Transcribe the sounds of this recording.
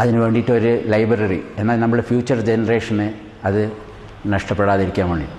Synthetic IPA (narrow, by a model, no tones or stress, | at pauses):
ɐðinɨʋe̞ːɳɖiːʈːɨo̞ɾulɐjbɐrɐrḭe̞nːaːlnɐmːuɽefjuːt͡ɕːɐrd͡ʑenɐre̞ːʂɐne | ɐðɨ | nɐʂʈɐpːeɽaːðiɾikʲːaːnʋeːɳːɖḭ